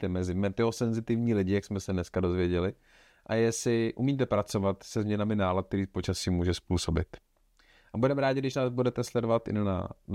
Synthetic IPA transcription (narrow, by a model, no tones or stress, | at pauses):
t̪ɛmɛzɪmɛt̪ɪosɛnzɪt̪ɪvɲiːlɪɟɪjaksmɛsɛdnɛskado̞zvjɛɟɛlɪ | ʔajɛsɪʔumiːt̪̬ɛpɾat͡so̞vat̪sɛzmɲɛnamɪnaːlat̪̚k̚t̪ɛɾiːpo̞t͡ʃasiːmuːʒɛspuːso̞bɪt̪ | ʔabudɛmɛɾaːɟɪɡdɪʃnaːzbudɛt̪ɛslɛdovat̪ɪ̰a̰n